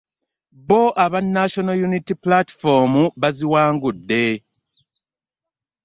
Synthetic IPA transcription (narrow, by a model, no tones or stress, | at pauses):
βoʔaβanːaʃonojunitiplati̥fomuβaziwaːŋɡudːe̞